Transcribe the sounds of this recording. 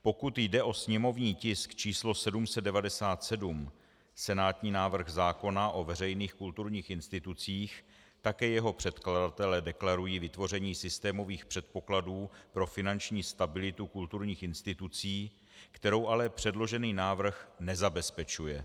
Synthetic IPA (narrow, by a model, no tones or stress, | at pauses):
po̞kut̪jdɛʔo̞sɲɛmo̞vɲiːcɪskt͡ʃiːslo̞sɛdumsɛd̪dɛvadɛsaːt̪sɛdum | sɛnaːt̪ɲiːnaːvr̩ɣzaːko̞naʔo̞vɛrɛjniːxkult̪uɾɲiːxɪnst̪ɪt̪ut͡siːx | t̪akɛːjɛɦo̞pr̥ɛt̪kladat̪ɛlɛːdɛklaɾujiːvɪt̪vo̞r̝ɛɲiːsɪst̪ɛːmo̞viːxpr̝̥ɛt̪̚po̞kladuːpɾo̞fɪnant͡ʃɲiːst̪abɪlɪt̪ukult̪uɾɲiːxɪnst̪ɪt̪ut͡siː | kt̪ɛɾo̞wʔalɛpr̝̥ɛdlo̞ʒɛniːnaːvr̩xnɛzabɛspɛt͡ʃujɛ